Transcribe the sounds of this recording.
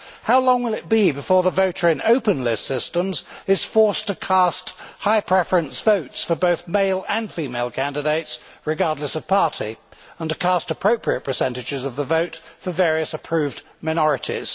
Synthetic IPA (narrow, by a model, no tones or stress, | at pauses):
haʊlɔ̃ŋwəlˠɨt̚b̥ibɨfɔɹðəvoʊɾə˞ɨ̃noʊpɨ̃nlɪssɪstə̃mzɨz̥fɔɹstʰɨkʰæsthaɪpʰɹ̥ɛfəɹɨ̃nsv̥oʊtsfə˞boʊθmeɪlˠə̃nfimeɪlˠkʰæ̃ndɨdeɪtsɹɨɡɑɹdˡləsʌv̥pʰɑɹɾḭə̃ntɨ̥kʰæstəpʰɹ̥oʊpʰɹiɨt̚pʰə˞sɛ̃ntɨd͡ʒɨzʌvðəvoʊtfə˞vɛɹiɨsəpʰɹ̥ʉvd | maɪnɔɹɨɾḭz̥